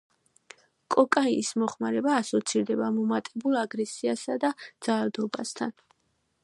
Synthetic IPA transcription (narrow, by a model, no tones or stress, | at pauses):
kʼɔkʼaiismɔχmaɾɛbaːsɔt̪sʰiɾd̪ɛbamɔmat̪ʼɛbulˠaɡɾɛsiasad̪ad̪z̥alad̪ɔbast̪ʰan